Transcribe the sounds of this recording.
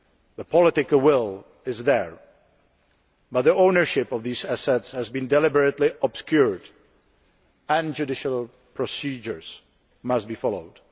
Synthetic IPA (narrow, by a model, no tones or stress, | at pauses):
ðəpʰɔlˠɪtɪkwɪlˠ | ɪzðəɹ | bʌt̪̚ðiõʊnə˞ʃɪpɔvðiːzæsɛtshæzbɨ̃ndɛlɪbəɹɨtliʔəb̥skjuɹd | ə̃nd͡ʒɨdɪʃəlˠ | pʰɹɔsid͡ʒə˞z̥ | mʌstbifɑloʊd̥